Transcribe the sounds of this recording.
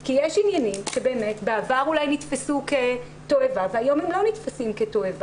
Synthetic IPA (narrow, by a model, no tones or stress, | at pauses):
kijeʃinjanimʃebe̞ːme̞tbeavaʁulajnitfasuke̞ | to̞evaveajo̞mhemlo̞nitfasimketo̞eva